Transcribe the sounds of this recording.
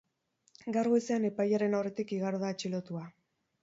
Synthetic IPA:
ɡaɾɣoeseane̞pajaɾe̞nawre̞t̪ikiɣaɾðaet͡ʃilo̞t̪ua

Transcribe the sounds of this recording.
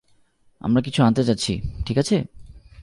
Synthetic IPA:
a̰mɾakit͡ɕʰuant̪et͡ɕatːɕʰḭʈʰikat͡ɕʰe

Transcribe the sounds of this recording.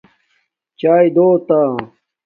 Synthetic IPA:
t͡ɕaːjd̪oːt̪aː

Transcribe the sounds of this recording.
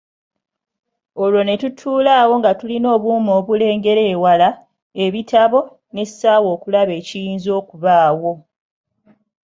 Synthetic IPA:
o̞lo̞ne̞tutʰuːlaːwo̞ŋɡatulino̞ːβuːmo̞ːβule̞ːŋɡe̞ɾe̞ːwala | e̞βitʰaβo̞ | ne̞saːwo̞ːkulaβe̞ːcijiːnzo̞ːkuβaːwo̞

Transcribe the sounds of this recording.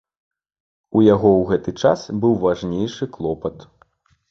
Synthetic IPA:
ujaɣɔwɣɛt̪ɨt͡ʂa̰sbɨwvaʐnʲejʂɨklˠɔpɐt̪

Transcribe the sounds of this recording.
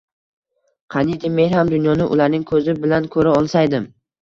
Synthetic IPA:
qʰɑnid̪ɪme̞nhamd̪ʊnjɒnɪʔʊ̰laɾnɪŋkʰɵzɪbɪlankʰɵɾaɒlˠsajd̪ɪm

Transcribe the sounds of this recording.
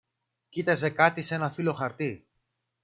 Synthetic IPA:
cit̪ɐze̞kɐt̪ise̞nɐfilo̞xɐɾt̪iɾ

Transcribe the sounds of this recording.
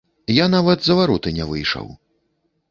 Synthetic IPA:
janavɐd̪zɐvaɾɔt̪ɨnʲɛvɨjʂɐ̰w

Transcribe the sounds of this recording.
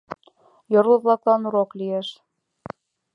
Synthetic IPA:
joɾuðlˠɑklˠɑnuɾoklieʃ

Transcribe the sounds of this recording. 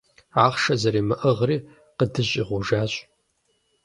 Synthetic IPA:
aːχʃɐzɐɾiːmɨʔəʁriː | qədɨɕʼiːʁʷʊʒaːɕʼ

